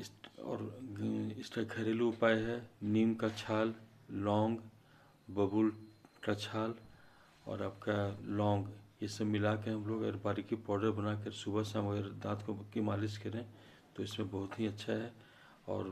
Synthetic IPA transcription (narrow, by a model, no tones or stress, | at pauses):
ɪsɔ̰ːɾ | ɪsʈaɡʰʱɐɾeluʊpaːjɦɛniːmkat͡ʃʰaːlː | ɔ̃ːŋɡ | bəbulʈat͡ʃʰaːl | ɔ̰ːɾabkalɔ̃ːŋɡjesemɪlakeɦɐmloːɡəɡəɾbaːɾikipɔːɖəɾbənakəɾsubəseɦəməɡəɾd̪ãːt̪ʰkokimaːlɪskɐɾẽ | t̪oɪsmẽbɐɦʊt̪ɦiɐtːʃʰaɦɛ | ɔ̰ːɾ